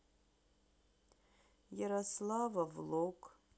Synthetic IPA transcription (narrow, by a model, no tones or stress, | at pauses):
jaɾaslavavlokʼ